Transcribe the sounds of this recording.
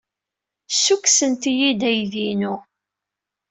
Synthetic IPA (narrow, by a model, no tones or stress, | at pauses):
sːuksənt̪ijid̪æjðinu